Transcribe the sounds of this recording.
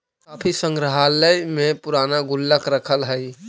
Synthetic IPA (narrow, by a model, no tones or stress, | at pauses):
kaːpʰisə̃ŋɡɾəɦaləjmẽpʊɾaːnaɡʊlːəkɾəkʰəlɦəi